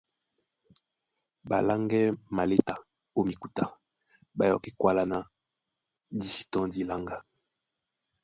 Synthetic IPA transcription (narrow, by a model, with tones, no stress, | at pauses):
ba̰˨la˦ŋɡɛ˦ma˨le˦ta˨ | o˦mi˨ku˨ta˨ | ba˨jɔ̰˨ki˦kwa˦la˦na˨ | di˨si̥˨tɔ̃˦di˨la˦ŋɡa˦˨